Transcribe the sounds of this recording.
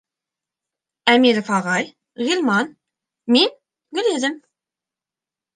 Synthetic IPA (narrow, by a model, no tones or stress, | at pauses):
æmiɾŏfɑʁɑj | ʁilˠmɑn | min | ɡɵ̆lɘðɘm